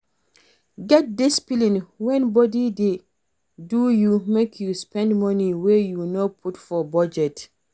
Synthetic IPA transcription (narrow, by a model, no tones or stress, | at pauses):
ɡɛt̚dispilĩnwɛ̃nbɔdide | dujumekʰjuspɛ̃ndmɔniwɛjunɔpʰutfɔbɔd͡ʒɛt